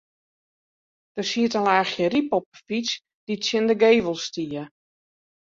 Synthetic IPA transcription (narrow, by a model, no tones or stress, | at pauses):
d̥əsiətəlaːxjəripɔp̚fit͡s | d̥itsjɪndəɡeːʋəlˠstiə